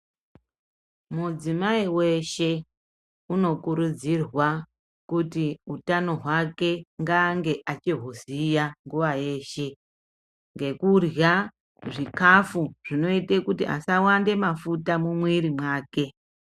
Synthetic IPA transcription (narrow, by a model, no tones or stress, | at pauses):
mud͡zimaiwe̞ʃe̞ | uno̞kuɾud͡zirwa | kutiutano̞ɦwake̞ŋɡaŋɡe̞ʔat͡ʃiɦozijaŋɡuʋaje̞ːʃe̞ | ŋɡe̞kurja | ʐikafuʐ̥ino̞itekutiʔa̰sawande̞mafutamumwiɾimwaːke̞